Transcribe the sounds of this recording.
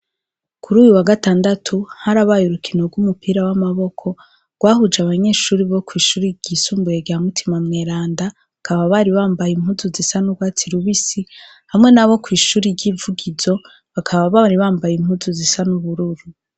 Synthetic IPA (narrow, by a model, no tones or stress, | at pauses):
kʰuɾuːjuwaɡataːndatʰuhaɾaβajuɾukʰinoɡwumupiːɾawamaβo̞kʰo̞ | ɡ̥waːhud͡ʒaβaɲe̞ːʃuːɾiβo̞kwiːʃuːɾiɟisuːmbujeɡamutʰimamŋeːɾaːnda | akʰaβaβaɾiβaːmbajim̥huzuzisanuɡwaːt͡siɾuβisi | hamŋe̞naβo̞kwiːʃuːɾiɾɟiːvuɡizo̞ | βakʰaβaβaɾiβaːmbajim̥huzuzisanuβuɾuɾu